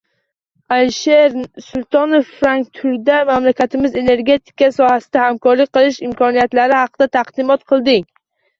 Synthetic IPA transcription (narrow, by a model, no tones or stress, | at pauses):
alʃe̞ɾsʊlˠt̪ʰɒnofːɾaŋk̚t̪ʰʊld̪amamlakʲat̪ʰɪmɪze̞ne̞ɾɡʲe̞t̪ʰɪ̥kasɒhasɪd̪ahamkʰɒɾlɪk̚ʲqɨlˠɪʃɪmkʰɒnijat̪laɾɪhɑqɨd̪at̪ʰaqd̪ɪmɒt̪̚qʰɨlˠd̪ɪŋ